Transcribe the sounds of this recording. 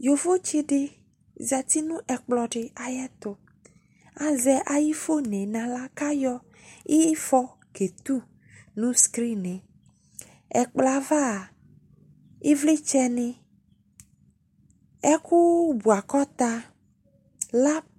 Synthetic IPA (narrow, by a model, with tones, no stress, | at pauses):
jo˨vo˦t͡ʃi˦ɖɪ˦ | za˨t̪i˦nũ˦ʔɛ˨k͡plɔ˨ɖɪ˨a˨jɛ˦t̪ʊ˨ | a˨zɛ˦ʔa˨ji˦fo˦nẽ˨nã˨la˦ka˦jɔ˦ | e˦fɔ˦ | ke˨t̪u˦ | nũ˦skɾi˦nẽ˨ | ɛ̰˨k͡pla˨va˦˨ | i˦vle˦t͡ʃɛ˦nɪ̃˦ | ɛ˦ku˦bu˨a˨kɔ˦t̪a˦ | la˦